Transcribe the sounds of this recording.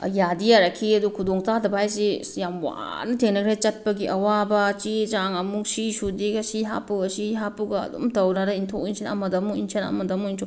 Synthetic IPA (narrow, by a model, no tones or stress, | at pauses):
jadijaɾɐkʰiɐdukʰudoŋtadɐbajsijamwa̰nɐtʰeŋnɐkʰɾejt͡ʃɐt̚pɐɡiʔɐwabɐt͡ʃid͡ʒaŋɐmuk̚sisudikɐsiɦa̰puɐsiɦapuɡɐɐ̰dṵmtɐwnɐɾɐintʰoinsʰinɐ̰mɐdɐmuinsʰinɐ̰mɐdɐmuintʰo